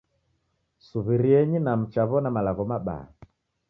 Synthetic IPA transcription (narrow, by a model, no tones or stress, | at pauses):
suβiɾiɛɲinam̩t͡ʃaβɔnamalaɣɔmaɓa̰a̰